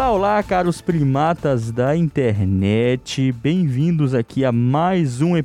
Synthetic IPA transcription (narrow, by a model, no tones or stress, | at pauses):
laolakaɾʊspɾimat̪ɐzd̪ɐĩnt̪eɾnɛt͡ʃɪbẽj̃vĩnd̪ʊzakʰiamajzũe